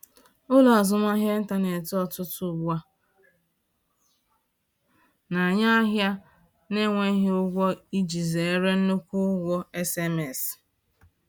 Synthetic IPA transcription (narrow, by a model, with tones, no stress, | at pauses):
ʊ˦lɔ˨a˨zʊ˦ma˦ɦje˦n̩˦ta˨ne˨tɔ˨tʊ˦tʊ˨ɡ͡bʷa˦ | na˨ɲa˦ɦja˦ | ne˦ŋʷe˦ɦe˦ʊ˦ɡʷɔ˦i˦d͡ʒi˨ze˨e˦ɾe˦n̩˦nʊ˦kʷʊ˦ɡʷɔ˦e˦se˦me˨s